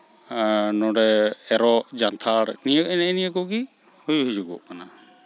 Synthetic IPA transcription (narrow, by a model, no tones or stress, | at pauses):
nɔɾɛɛɾɔʔd͡ʒant̪ʰaɾnijək̚ɛnɛnijəɡɔɡi | hujɦujd͡ʒuɡɔ̰ʔkana